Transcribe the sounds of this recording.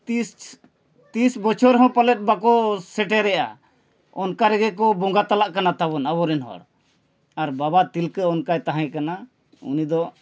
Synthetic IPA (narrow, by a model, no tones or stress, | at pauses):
t̪is | t̪isbɔt͡ʃʰɔɾɦɔ̃palɛt̪̚ˀbakɔsɛʈɛɾɛjʔa̰ | ɔnkaɾɛɡɛk̬ɔbɔŋɡat̪alaʔkanat̪abɔnabɔɾɛnɦɔ̰ɽ | aɾbabat̪ilkəɔnkajt̪aɦãjkana | ṵnid̪ɔ